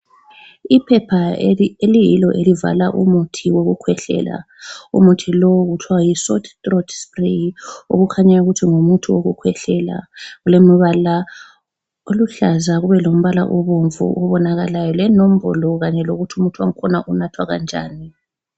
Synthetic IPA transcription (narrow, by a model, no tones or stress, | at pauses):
ipʰɛpʰaelijilɔʔeliva̰laʔumutʰiwoɣukʰwɛɬɛ̰la̰ | ṵmutʰilɔɣutʰwaajisɔtʰtrɔdsprio̰ɣukʰaɲauɣutʰiŋumutʰuwoɣukʰwɛɬɛla̰ɣulemiβala | oluɬazaɣuβɛlom̩βala̰ʔoβuɱvṵʔɔβɔnaɣalajɔlɛnom̩βɔlɔɣaɲɛloɣutʰiumutʰuwaŋ̩kʰɔnaʔunatʰwaɣa̰nd͡ʒʱa̰ːni